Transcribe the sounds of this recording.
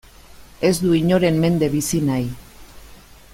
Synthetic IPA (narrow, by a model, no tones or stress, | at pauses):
e̞zd̪uiɲo̞ɾe̞mmːe̞nd̪e̞βisinaj